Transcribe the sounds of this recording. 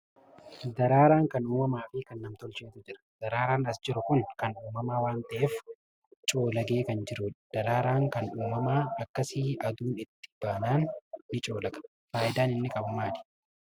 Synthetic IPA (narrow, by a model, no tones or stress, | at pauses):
d̪ɐɾaːɾaːŋkɐnuːmɐmaːfɪkɐnːɐmt̪ɔlt͡ʃeːt̪ʊd͡ʒɪɾɐ̥d̪̥ɐɾaːɾaːnɐsd͡ʒɪɾʊkʊnkɐnuːmɐmaːwaːnt̪ɐʔeːf | t͡ʃʼo̞ːlɐɡe̞ːkɐnd͡ʒɪɾʊᶑd̪̥ɐɾaːɾaːŋkɐnuːmɐmaːɐkːɐsɪʔɐd̪uːnɪt̪ːɪ̥b̥aːnaːnːɪt͡ʃʼo̞ːlɐɡɐ̥ | faːʔɪd̪aːnɪnːɪkʼɐbɐmaːᶑɪ̥